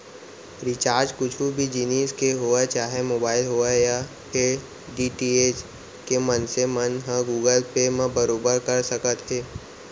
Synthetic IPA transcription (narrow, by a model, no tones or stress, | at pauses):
ɾɪt͡ʃaːɾd͡ʒkʊt͡ʃʰubʱid͡ʒiniːskeɦoːat͡ʃaːɦemoːbaːɪlɦoːaja | pe | ɖiːʈiːeːd͡ʒ | kemənsemənɦə̃ɡuːɡəlpemə̃bəɾoːbəɾkəɾsəkət̪ɦeː